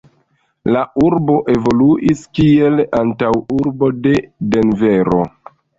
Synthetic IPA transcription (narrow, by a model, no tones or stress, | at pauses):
laʔuɾbo̞ʔe̞vo̞luʔiskie̞lantawuɾbo̞de̞de̞nveɾo̞̰